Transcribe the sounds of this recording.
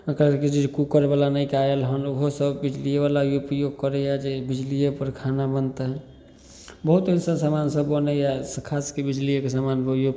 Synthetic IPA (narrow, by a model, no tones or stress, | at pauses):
əkɾaked͡ʒid͡ʒkukəɾebalanəikeajelɦənɦosəbbid͡ʒlijebalajopjoɡ̚kəɾɛjad͡ʒebid͡ʒlijepəɾkʰanabənt̪ɦɛ | bəɦut̪əsəsamansəbːənɛjaskʰaskebid͡ʒlijekesamanbjo